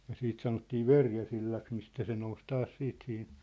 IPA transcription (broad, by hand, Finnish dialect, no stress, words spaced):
jɑ siːt sɑnotːiː ʋerjæsilːɑks mistæ se nous tɑːs siːt sihin̞